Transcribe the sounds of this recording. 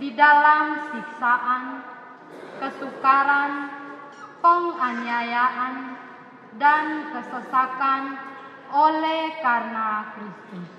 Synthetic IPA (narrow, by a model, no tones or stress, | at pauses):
didalamsiksaʔan | kəsukaɾan | pəŋaniajaʔan | dankəsəsakan | olɛhkarnakɾist̪us